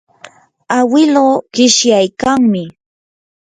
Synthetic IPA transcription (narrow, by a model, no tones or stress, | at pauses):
awɪloːɢɪʃjajkaŋmɪ